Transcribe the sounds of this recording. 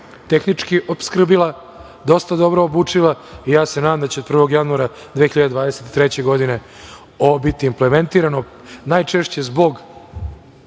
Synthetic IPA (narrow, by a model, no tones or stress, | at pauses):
t̪e̞xnit͡ʂkiʔopskr̩bilˠa | d̪o̞st̪ad̪o̞bɾo̞ːbuːt͡ʂilˠaijaːsenad̪amd̪at͡ɕeopr̩ʋo̞ɡjanuaɾa | d̪vexiʎad̪ed̪vʋaːd̪eset̪i̥t̪ɾet͡ɕe̞ɡo̞d̪ine̞ | obit̪iːmplement̪iːɾano̞ | najt͡ʂeʃt͡ɕe̞zbo̞ɡ